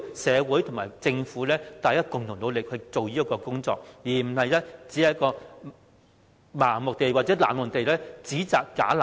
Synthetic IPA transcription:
sɛː˨˧wuː˨˥jt̪ʰʊ˨˩ŋmaː˨˩jt͡sɪ˧ŋfuː˨˥lɛː˥t̪aː˨˧jaː˥kʊ˨ŋt̪ʰʊ˨˩ŋlo˨˧wlɪ˨k̚hɵ˧ɥt͡so˨wjiː˥ɐ˥kːɔː˧kʊ˥ŋt͡sɔ̰ː˧k̚jiː˨˩m̩˨˩hɐ˨jlɛː˥t͡siː˨˥ɐ˨˥kɔː˧ | maː˨˩ŋmʊ˨k̚t̪e˨jwaː˨t̚t͡sɛ˨˥la̰ː˨˩nmɔ˨˩ŋt̪e˨jlɛː˥t͡siː˨˥t͡saː˨kːaː˨˥la˨

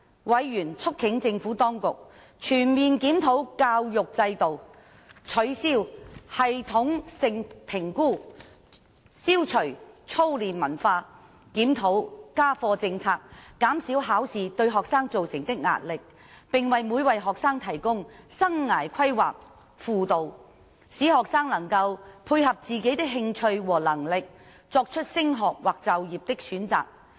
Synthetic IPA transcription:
wɐ˨˧jːyː˨˩nt͡sʰʊ˥k̚t͡sʰɪ˨˥ŋt͡sɪ˧ŋfuː˨˥t̪ɔː˥ŋkʊ˨k̚ | t͡ʃʰyː˨˩nmiː˨nkiː˨˥mt̪ʰo˨˥wkaː˧wjʊ˨k̚t͡sɐ˧jt̪o˨w | t͡sʰɵ˨˧˥ɥsiː˥whɐ˨jt̪ʰʊ˨˥ŋsɪ˨˧ŋpʰɪ˨˩ŋkuː˥ | siː˥wt͡sʰɵ˨˩ɥt͡sʰo˥wliː˨nmɐ˨˩nfaː˧ | kiː˨˥mt̪ʰo˨˥wkaː˥fɔː˧t͡sɪ˧ŋt͡sʰaː˧kːaː˨˥msiː˨˥wɦaː˨˥wsiː˨t̪ɵ˧ɥɦɔː˨k̚saː˥ŋt͡so˨wsɪ˨˩ŋt̪ɪ˥k̚ŋa̰ː˧t̚lɪ˨k̚ | pɪ˨ŋwɐ˨jmuː˨˧jwɐ˨jɦɔː˨k̚saː˥ŋt̪ʰɐ˨˩jkʊ˥ŋsɐ˥ŋːaː˨˩jkʰɐ˥jwa̰ː˨k̚ | fuː˨t̪o˨w | siː˨˥ɦɔː˨ksaː˥ŋlɐ˨˩ŋkɐ˧wpʰuː˧jɦɐ˨p̚t͡siː˨ke˨˥jt̪ɪ˥k̚ɦɪ˧ŋt͡ʃʰɵ˧ɥwɔː˨˩lɐ˨˩ŋlɪ˨k̚ | t͡sɔː˧k̚t͡ʃʰɵ˥t̚sɪ˥ŋɦɔː˨k̚waː˨˩k̚t͡sɐ˨wjiː˨p̚t̪ɪ˥k̚syː˨˥nt͡sa̰ː˨k̚

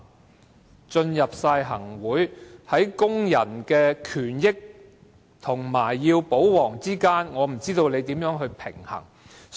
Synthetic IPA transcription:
t͡ʃɵ˧njɐ˨p̚saː˧jɦɐ˨˩ŋwuː˨˥jhɐ˨˥jkʊ˥ŋjɐ˨˩nkɛː˧kʰyː˨˩njɪ˥k̚ | t̪ʰʊ˨˩ŋmaː˨˩jːiː˧wpo˨˥wwɔː˨˩ŋt͡siː˥kaː˥nŋɔː˨˧m̩˨˩t͡siː˥t̪o˧wne˨˧jt̪iː˨˥mjœː˨˥ŋɦɵ˧ɥpʰɪ̰˨˩ŋhɐ̰˨˩ŋ

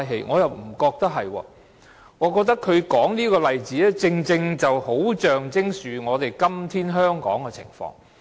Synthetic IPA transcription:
jɦḛ˨˧jŋɔː˨˧jɐ˨˩wm̩˨˩kɔː˧k̚t̪ɐ˥ɦɐ˨jwɔ̰ː˧ | ŋɔː˨˧kɔː˧k̚t̪ɐ˥kʰɵ˨˧ɥkɔː˨˥ŋniː˥kɔː˧lɐ˨jt͡siː˨˥ɛ˥t͡sɪ˧ŋt͡sɪ˧ŋt͡sɐ˨who˨˥wt͡ʃœː˨ŋt͡sɪ˥ŋsyː˨ŋɔː˨˧t̪e˨jkɐ˥mt̪ʰiː˥nɦœː˥ŋkɔ̰ː˨˥ŋkɛ˧t͡sʰɪ̰˨˩ŋfɔ̰ː˧ŋ

